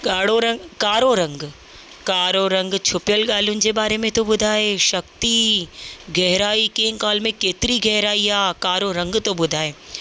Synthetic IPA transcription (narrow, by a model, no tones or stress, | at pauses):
ɠaːɽ̤oɾɐ̃kaːɾoɾɐ̃ŋɡ | kaːɾoɾɐ̃ŋɡt͡ɕʰʊpɪjəlɠaːl̤ijʊnɪ̆d͡ʑeːɓaːɾemẽt̪oɓʊd̪ʱaːeʃɐk̚t̪i | ɡʱɛɦɪɾaːikẽːŋkaːlmẽkeːt̪ɪɾiɡʱɛɦɾaːiaːkaːɾoɾɐ̃ŋɡt̪oɓʊd̪ʱaːeː